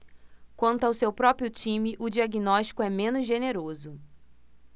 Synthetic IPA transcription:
kwɐ̃nt̪ʊawsewpɾɔpɾiʊt͡ʃĩmɪʔʊd͡ʒiaɡinɔʃt͡ʃi̥kʊɛmẽnʊzʒeneɾozʊ

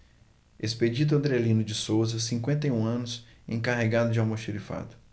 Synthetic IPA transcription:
esped͡ʒid̪̬ʊɐ̃nd̪ɾelĩnʊd͡ʒɪsowzɐsĩŋkwẽnt̪ejũɐ̃nʊsḛ̃kaɦeɡad̪ʊd͡ʒɪawmoʃiɾifa̰d̪ʊ̥

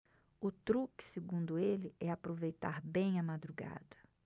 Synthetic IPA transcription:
ʊt̪ɾukɪ̥sɪɡũnd̪ʊelɪɛapɾovejt̪aɾbẽj̃ɐmad̪ɾuɡa̰d̪ɐ

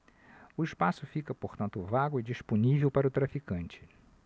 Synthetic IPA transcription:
ʊɪʃpasʊfikɐpoɾt̪ɐ̃nt̪ʊvaɡʊɪd͡ʒiʃponivewpaɾɐʊt̪ɾafikɐ̃nt͡ʃɪ̥

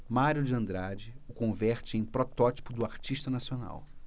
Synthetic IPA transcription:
maɾjʊd͡ʒɪɐ̃nd̪ɾad͡ʒɪʊkõvɛɾt͡ʃɪẽj̃pɾɔt̪ɔt͡ʃi̥pʊd̪ʊaɾt͡ʃiʃt̪ɐnasiona̰w

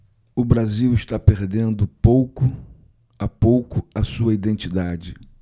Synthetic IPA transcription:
ʊbɾaziwɪʃt̪apeɾd̪ẽnd̪ʊpowkʊ | apowkʊɐsuɐid̪ẽnt͡ʃid̪ad͡ʒɪ

